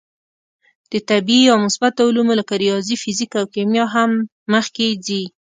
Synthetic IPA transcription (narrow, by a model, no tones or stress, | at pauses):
d̪̥ət̪abiawmʊsbat̪aulumolakaɾijɑzifɪzikawkemjɑɦamː | əxked͡zi